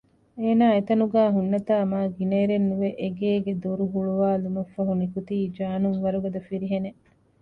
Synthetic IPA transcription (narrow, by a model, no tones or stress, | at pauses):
eːnaːet̪ɐnuɡæːɦunːɐt̪aːmaːɡineːɾenːuʋeʔeɡeːɡed̪oɾuɦuɭuʋaːlumɐfːɐɦunikut̪iːd͡ʒaːnuŋʋɐɾuɡɐd̪ɐfiɾiɦene